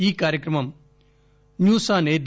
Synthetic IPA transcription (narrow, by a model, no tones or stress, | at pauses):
iːkaːɾjəkɾɐmɐm | njuːsaːned̪